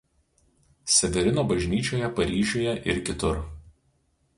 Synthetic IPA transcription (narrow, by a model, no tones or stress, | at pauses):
sʲɛʋʲɛɾʲɪnoːbɐʒʲnʲiːt͡ʃʲoːjɛpɐɾʲiːʒʲoːjɛʔɪɾkʲɪt̪ʊɾ